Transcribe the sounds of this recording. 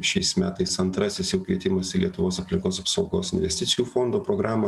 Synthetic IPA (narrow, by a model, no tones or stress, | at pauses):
ʃʲɛɪsmʲæːt̪ɐɪsɐnt̪ɾɐsʲɪsjɛʊkʋʲiɛt̪ʲɪmɐsilʲiɛt̪ʊʋoːsɐpʲlʲɪŋkoːsɐpsɒʊɡoːsɪnʲʋʲɛsʲt̪ʲɪt̪sʲɪjuːfond̪oːpɾoːɡɾɑːmɐ